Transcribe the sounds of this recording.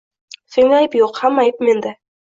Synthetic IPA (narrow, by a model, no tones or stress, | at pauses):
seŋɑjpjoqhæmɑjpmend̪ɪ